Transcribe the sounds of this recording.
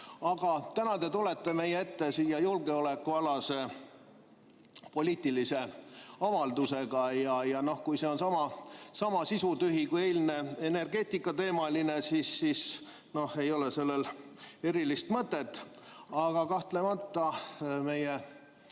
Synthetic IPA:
ɑɡ̥ɑt̪ænɑt̪e̞t̪ule̞t̪ːe̞me̞jeet̪ːe̞siːjɑjulɡ̥e̞o̞le̞kːuɑlɑse̞ | po̞lʲiːt̪ːˑilise̞ɑvɑld̪use̞ɡ̥ɑjɑjɑno̞hkujse̞o̞nsɑmɑsɑmɑsisut̪yɦikujelʲne̞ene̞rɡ̥e̞ːt̪ˑikːˑɑt̪e̞ːmɑline̞siːsːiːs | no̞he̞jo̞lese̞lːe̞le̞ɾilist̪mɤt̪ːˑe̞t̪ːˑɑɡ̥ɑkɑht̪le̞mɑt̪ːɑme̞je

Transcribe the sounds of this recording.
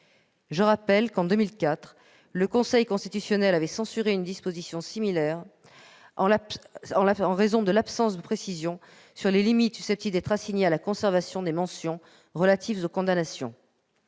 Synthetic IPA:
ʒəʁapɛlkɑ̃d̪ømilkat̪χ | ləkɔ̃sɛjkɔ̃st̪it̪ysjɔnɛlavɛsɑ̃syʁeynd̪ispozisjɔ̃similɛʁ | ɑ̃lɑ̃ʁezɔ̃d̪əlapsɑ̃sd̪əpχesizjɔ̃ | syʁlelimit̪sysɛp̚t̪id̪ɛt̪χasiɲealakɔ̃sɛʁvasjɔ̃d̪emɑ̃sjɔ̃ | ʁəlat̪ʰivzokɔ̃d̪anasjɔ̃

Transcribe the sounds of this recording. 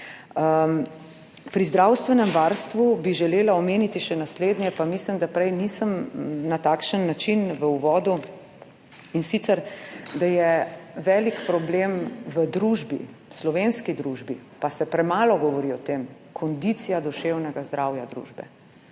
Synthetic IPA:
ə | pɾizd̪ɾawst̪ʋɛnɛmʋaɾst̪ʋubiʒɛleːlaɔmeːnit̪iʃɛnasleːd̪njɛpamislimd̪apɾɛjnisəmnat̪aːkʃənːat͡ʃinʋəuʋɔːd̪u | insit̪sɛɾd̪ajɛʋɛːlikpɾɔblemʋəd̪ɾuʒbḭ | slɔʋenskid̪ɾuʒbḭpasɛpɾɛmaːlɔɡɔʋɔɾiɔt̪em | kʰɔnd̪it̪sijad̪ɔʃewnɛɡazd̪ɾawjad̪ɾṵːʒbɛ̰

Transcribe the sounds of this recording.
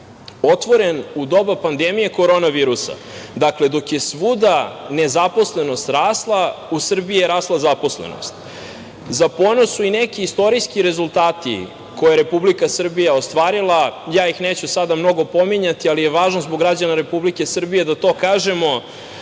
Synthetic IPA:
o̞t̪ʋo̞ɾe̞nud̪o̞bapand̪emije̞ko̞ɾo̞naʋiːɾusa̰ | d̪akle̞d̪o̞kje̞sʋud̪ane̞zapo̞sle̞no̞st̪ɾaːslˠausr̩biieɾaːslˠazapo̞slḛno̰st̪ | zaponosuinekiːst̪o̞ɾijskiɾe̞zulˠt̪aːt̪ḭ | ko̞jeɾe̞publikasr̩bijaost̪ʋaːɾilˠajaːixneːt͡ɕusad̪amno̞ɡo̞po̞miɲat̪ialijeʋaːʒnozboɡɾad͡ʑanaɾe̞publike̞sr̩bije̞d̪at̪o̞ːkaːʒe̞mo̞

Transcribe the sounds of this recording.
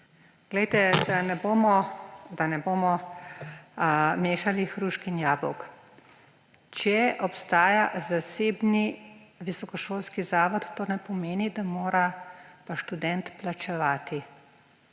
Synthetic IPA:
ɡ̥lɛjt̪ɛd̪anɛboːmɔd̪anɛboːmɔ | meːʃalixɾuʃkinjaːbɔ̰wk | t͡ʃɛʔɔpst̪aːjazaseːbniʋisɔkɔʃoːlskizaːʋɔt̪ːoːnɛpɔmeːnid̪amoːɾapaʃt̪ud̪ɛnt̪plat͡ʃɛʋaːt̪i

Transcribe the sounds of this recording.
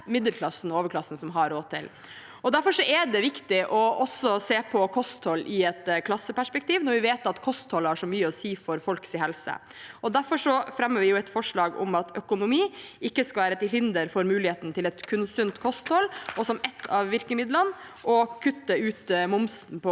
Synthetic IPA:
mɪd̪əlkʰlɑsn̩oːʋəɾkʰlɑsn̩sɔmɦɑɾoːd̪̚t̪ʰːɪ̰l | ɔd̪æɾfɔʂɔʔɛɖɛʋɪkt̪ɪʔɔɔsɔseːpʰɔkʰɔst̪hɔlːɪɛt̪kʰlɑsːəpæʂpɛk̚t̪iːʋnɔɾʋɪʋeːt̪ɑt̪kʰɔst̪hɔlhɑʂɔmyːəɔsiːfɔɾfɔlksɪhɛlsə̰ɔd̪æɾfɔʂɔfɾɛmːəɾʋɪjʊɛt̪fɔʂɭɑːɡʊ̰mɑt̪œkʊnʊmiːɪkːəskɑʋæːɾət̪ɪlhɪnd̪əɾfɔɾmʉːlɪheːt̪ən̩t̪ʰɪlɛt̪kʰʉnsʉnt̪kʰɔst̪hɔlɔsɔmɛt̪ʰːɑʋʋɪɾkəmɪd̪lənʔɔkʰʉt̪ːəʉːt̪mʊmsn̩pɔ

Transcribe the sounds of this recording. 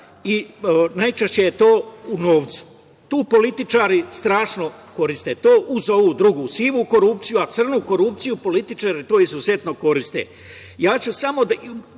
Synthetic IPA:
inajt͡ʃeʃt͡ɕejet̪o̞ːuno̞ːʋt̪su̥ | t̪uːpo̞lit̪it͡ʃaːɾist̪ɾaːʃno̞ko̞ɾist̪et̪oːʔuzo̞ʋuːd̪ɾuɡusiːʋuko̞ɾupt̪sijuat̪sr̩nuko̞ɾup̚t̪sijupo̞lit̪it͡ʃaɾit̪oːizuze̞t̪no̞ko̞ɾist̪ḛ | jaːt͡ɕusamo̞d̪

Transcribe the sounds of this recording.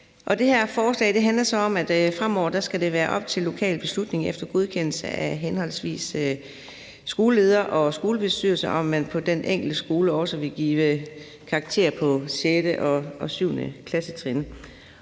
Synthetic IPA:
ʔɒ̽d̥e̝hæɐ̰fɒːslɛ̰ːd̥e̝ɦænlɐsɒ̽ɒ̽mæd̥fʁam̰ɒ̰ʊ̰ɐd̥æsɡ̥æd̥e̝ʋæːɐʔɒ̽b̥̚t͡sʰe̝lːo̝kʰɛ̰ːlb̥e̝slud̥ne̝ŋefd̥ɐɡ̥o̝ð̞ˠkʰen̰l̩səæɦenhɒ̽l̰sʋḭːs | ɡ̥o̝ːləle̝ːð̞ˠɐʔɒ̽sɡ̥o̝ːləb̥e̝sd̥y̰ːɐl̩sɐʔɒ̽mːænpʰɒ̽d̥enʔeŋ̰ɡ̥l̩d̥əsɡ̥o̝ːləɒsəʋe̝lɡ̥iːʋə | kʰɑ̈ːɡ̥̚t͡sʰe̝̰ːɐpʰɒ̽ɕed̥əʔɒ̽ʔɒ̽syʊnə̰kʰlæsət͡sʰʁɛn

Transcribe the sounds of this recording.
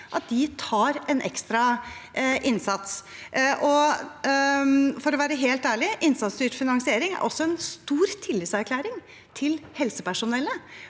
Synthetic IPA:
ʔɑt̪̚d̪ɪt̪ʰɑːɾɛnʔɛ̰kst̪ɾɑ | ʔɪnsɑt̪sʔɔ | fɔɾɔʋæːɾəɦeːlt̪æːɭɪʔɪnsɑt̪sd̪yːʈfɪnɑŋsɪeːɾɪŋæ̰ɾʔɔsːɔɛnst̪uːɾt̪ʰɪlːɪt̪sæɾkʰlæːɾɪŋ | t̪ʰɪlhɛlsəpæʂʊnɛlːə

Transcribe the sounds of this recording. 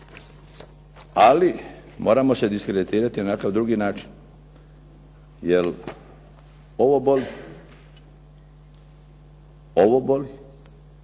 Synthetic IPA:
ali | mo̞ːɾamo̞se̞d̪iskɾed̪it̪iːɾat̪inanakaʋd̪ɾuːɡinaːt͡ʃi̥n | jel | oʋoboli | oʋoboli

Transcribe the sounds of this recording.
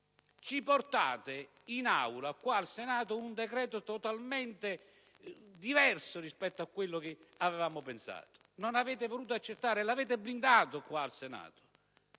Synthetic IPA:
t͡ʃiport̪a̰ːt̪ɪ | ina̰wlakwaːlsɛnaːt̪ʊund̪ɛkɾɛːt̪ʊt̪ɔt̪almɛnt̪ɪ | d̪ivɛrsʊrispɛt̪ːoakːwɪlːʊkɪavɛvaːmʊpɛnsa̰ːt̪ʊ̥nonavɛːt̪ɪvoluːt̪oat͡ʃːet̪ːaːɾɪɛlavɛːt̪̬ɪblind̪aːt̪ʊkwaːlsɛna̰ːt̪ʊ̥

